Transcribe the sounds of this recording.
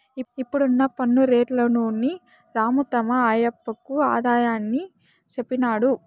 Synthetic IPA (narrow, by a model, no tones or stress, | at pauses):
iipːuɽunːɐpɐnːuɾeːʈlɐnunːi | ɾaːmut̪ɐmɐaːjɐpːɐkːua̰ːd̪aːjaːnːi | t͡ʃepːinaːɽu